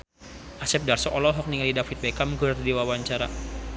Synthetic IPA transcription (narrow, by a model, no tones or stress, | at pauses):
ʔasɛp̚darsɔʔɔlɔɦɔk̚niŋalidafit̪̚bɛkamɡɨrdiwawaɲt͡ʃaɾa